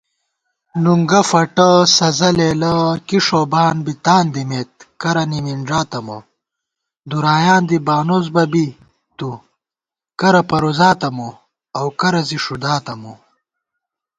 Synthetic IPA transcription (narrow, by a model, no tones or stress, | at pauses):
nuŋɡɐfɐʈɐsɐzɐleːlɐkiʂoːbaːnbit̪aːnd̪imeːt̪̚kɐɾɐniminʐaːt̪ɐmo̰ | d̪uɾaːjaːnd̪ibaːnozbɐbi | t̪u | kɐɾɐpɐɾozaːt̪ɐmo | ɐwkɐɾɐziʂud̪aːt̪ɐmu